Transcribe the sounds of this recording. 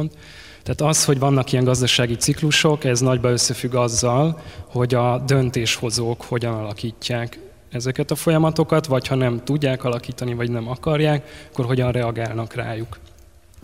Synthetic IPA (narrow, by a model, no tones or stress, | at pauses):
nt̪ | t̪ːɛːt̪ɒsho̞ɟvɒnːɒkijɛŋɡɒzd̪ɒʃaːɡit̪sikluʃo̞kɛznɒɟbɒøsːɛfyɡːɒzːɒlho̞ɟɒd̪ønt̪eːʃho̞zoːkho̞ɟɒnɒlɒkiːcːaːk | ɛzɛkɛt̪ɒfo̞jɒmɒt̪o̞kɒt̪ʋɒchɒnɛmt̪uɟːaːkɒlɒkiːt̪ɒnivɒɟnɛmɒkɒrjaːkɒkːo̞rɦo̞ɟɒnrɛɒɡaːlnɒkra̰ːjuk